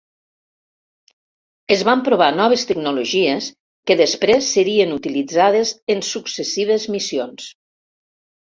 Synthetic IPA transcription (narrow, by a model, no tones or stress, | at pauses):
əzβampɾoβ̞anɔβ̞əst̪əɡnuloʒies | kəðəspɾesːəɾiənut̪ilid͡zaðezənsuksəsiβ̞əzmisions